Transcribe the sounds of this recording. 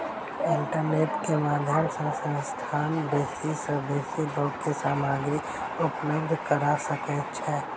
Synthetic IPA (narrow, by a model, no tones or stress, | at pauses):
ɪɳʈəɾneːʈkemaːd̪ʱjəmsə̃sə̃st̪ʰaːnbeːsisəbeːsid̪õːkesaːmaːɡɾi | ʊpləbd̪ʱkəɾasəkɛt͡ʃʰɛː